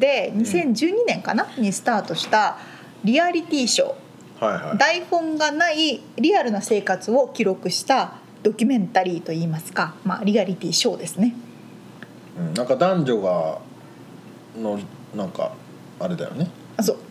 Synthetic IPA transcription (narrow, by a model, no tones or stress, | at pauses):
d̪e̞ɲ̟isẽ̞ɲ̟d͡ʑɨːɲ̟inẽ̞ŋka̰naɲ̟isɨ̥t̪aːt̪o̞ɕi̥t̪a | ɾʲiaɾʲit̪ʲiːɕo̞̰ː | hajha̰d̪aiɸõ̞ŋɡanai | ɾʲiaɾɯ̟nase̞ːkat͡sɨo̞kʲiɾo̞kɯ̟ɕi̥t̪a | d̪̥o̞kʲɨmẽ̞nt̪aɾʲiːt̪o̞iːmasɨ̥kama̰ːɾʲiaɾʲit̪ʲiːɕo̞ːd̪e̞sɨne̞ | ɯ̟̃ːnãŋkad̪ãɲ̟d͡ʑo̞ɡa | nonãŋka̰ | aɾe̞d̪a̰jo̰ne̞ | soː